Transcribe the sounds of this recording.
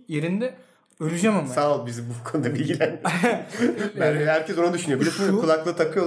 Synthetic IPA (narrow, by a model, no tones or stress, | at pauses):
je̞ɾind̪ɛ | øɾʲyd͡ʒɛmansaːlˠbizibukʰonud̪abilʲɟʲilʲæn | bæɦæɾcʰɛso̞nad̪yʃynyjobid̪ɛsimkulˠaklˠɯt̪ʰakʰɯjo